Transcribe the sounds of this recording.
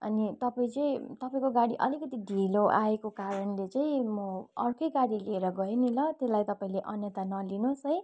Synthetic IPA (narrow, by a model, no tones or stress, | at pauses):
ʌ̰nit̪ʌpaĩt͡saĩt̪ʌpaĩkoɡaɽiʔʌlikʌt̪iɖʱiloʔaekokaɾʌnlet͡saĩmʌʌrkʌjɡaɽileeɾʌɡʌenilʌt̪elajt̪ʌpaĩleʔʌnjʌt̪anʌlinosʌj